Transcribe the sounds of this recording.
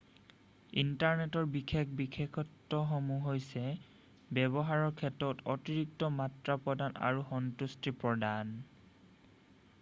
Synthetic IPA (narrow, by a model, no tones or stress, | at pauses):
intaɹnetɔɹbikʰekbikʰekʰɔtːɔxɔmuɦojsɛ | bɛbɔɦaɹɔɹkʰɛtɔtɔtiɹik̚tɔmatɹapɹɔdana̰ɹuxɔntustipɹɔdan